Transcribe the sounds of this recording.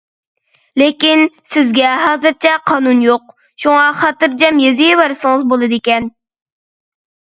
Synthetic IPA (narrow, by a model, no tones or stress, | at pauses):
lekʲinsɪzɡʲɛɦɑːzɨɾt͡ʃʰɛqʰɑːnunjoq̚ | ʃuŋɑχɑt̪ɨɾd͡ʒɛmjezɪjewæɾsɨŋəzbolˠɨd̪ɪkʲɛn